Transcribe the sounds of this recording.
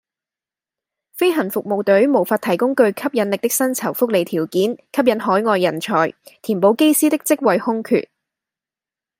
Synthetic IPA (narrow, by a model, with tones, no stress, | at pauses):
fe˥jɦɐ˨˩nfʊ˨k̚mo˨wt̪ɵ˨˥ɥmo˨˩wfaː˧t̪ʰɐ˨˩jkʊ˥ŋkɵ˧ɥkʰɐ˥p̚jɐ˨˥nlɪ˨k̚t̪ɪ˥k̚sɐ˥nt͡sʰɐ˨˩wfʊ˥k̚le˨jt̪ʰiː˨˩wkiː˨˥nkʰɐ˥p̚jɐ˨˧˥nɦɔː˨˥jŋɔː˧jːɐ˨˩nt͡sʰɔ̰ː˨˩jt̪ʰiː˨˩npo˨˧wke˥jsiː˥t̪ɪ˥k̚t͡sɪ˥k̚wɐ˨jhʊ˥ŋkʰy̰ː˨t̚